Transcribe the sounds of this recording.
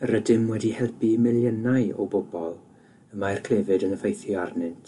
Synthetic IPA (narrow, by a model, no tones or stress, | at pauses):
ərədɪmwɛdihɛlpimɪljənajɔ̰bʊbɔlˠ | əmajrkʰl̥evɨdənəfejθjɔarnɨntʰ